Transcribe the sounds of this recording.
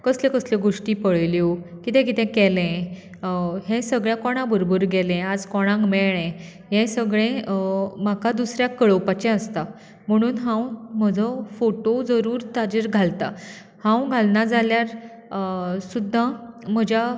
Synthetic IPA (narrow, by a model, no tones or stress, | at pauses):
kəslẽkəsleɡoʂʈiːpəɭljokit̪ɛ̃k̬it̪ɛ̃kɛlɛ̃ | ɦɛ̃səɡɭjakɔɽ̃ãbʱəɾobəɾɡɛlɛ̃ad͡zkɔɽ̃ãkmɛɭɛ̃ɦɛ̃səɡɭẽmakad̪usɾjakəɭəwpat͡ɕɛ̃əst̪a | m̤əɽ̃uːnɦãwm̤əd͡zʱəfoʈod͡zəɾuːɾt̪ad͡ʑiɾɡʱalt̪a | hãwɡʱalnad͡zʱaljaɾ | sud̪ʱːãm̤əd͡ʑja